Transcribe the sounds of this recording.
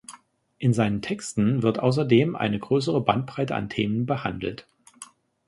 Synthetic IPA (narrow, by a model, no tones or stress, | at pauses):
ʔɪnzaɪnəntʰɛkstn̩vɪɐtʔa̰ʊs̬ɐdeːmʔa̰ɪnəɡʁøːs̬əʁəbant̚b̥ʁ̥aɪtəa̰ntʰeːmənbəha̰ndl̩t